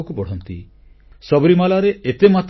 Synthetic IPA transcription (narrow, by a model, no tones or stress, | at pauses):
kupɔɽ̤ɔnt̪ḭ | sɔbɔɾimalaɾeʔet̪emat̪